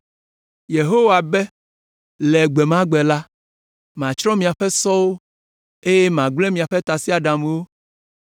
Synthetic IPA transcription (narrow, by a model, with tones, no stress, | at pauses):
je˨ɦo˦wa˨bɛ˦ | lɛ˨ɡ͡be˨mã˦ɡ͡bɛ˨la˦ | mã˨t͡ʃɾɔ̃˦mĩ˨a˨ɸɛ˦sɔ˦wo˦ | e˦je˦mã˨ɡ͡blɛ˦mĩ˨a˨ɸe˦t̪a˨si˦a˨ɖã˨mẽ˦wo˦